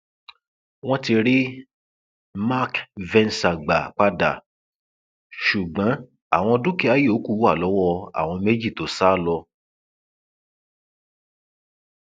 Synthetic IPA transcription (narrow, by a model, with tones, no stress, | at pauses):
w̃ɔ̃˦ti˧ɾi˦ | ma˦kvɛ̃˧nsa˨ɡ͡ba˨k͡pa˦da̰˦˨ | ʃu˨ɡ͡bɔ̃˨˦ | a̰˦˨w̃ɔ̃˧dũ˦ki˦a˦je˦˨o˨˦ku˦˨wa˦˨lɔ˨˦wɔ˧a̰˨w̃ɔ̃˧me˦d͡ʒi˦˨to˨˦sa˦˨lɔ˧